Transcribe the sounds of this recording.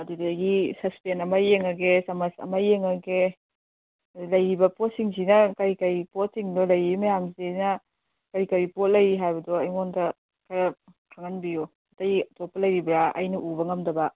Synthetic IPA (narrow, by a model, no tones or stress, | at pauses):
ɐdidaɡisɐspenɐmɐjeŋɐɡesɐmɐsɐ̰mɐjeŋɐɡe | lɐjɾibɐpɔsiŋsinɐkɐɾikɐjpot̚siŋdɔlɐjɾimɐjamzinɐ | kɐɾikɐɾipot̚lɐjɾiɦajbɐdɔɐjmondɐ | kʰɐɾɐkʰaŋɐnbijo | ɐtɐjtɔpːɐlɐjɾibɾaɐ̰jnɐʔubɐŋɐmdɐbɐ